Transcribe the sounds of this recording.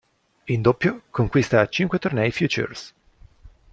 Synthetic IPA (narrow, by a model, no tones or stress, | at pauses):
ind̪opːjokoŋkwist̪at͡ʃiŋkwet̪ornɛjfjut͡ʃṵrs